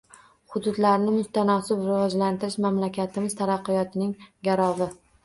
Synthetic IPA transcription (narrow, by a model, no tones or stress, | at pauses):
hʊd̪ʊd̪laɾnɪmʊst̪ʰanɒsɪbɾɪvɒd͡ʒlant̪ʰɪɾɪʃmamlakʲat̪ʰɪmɪz̥t̪ʰaɾɑqːɨjɒt̪ʰɪnɪŋɡʲaɾɒvɪ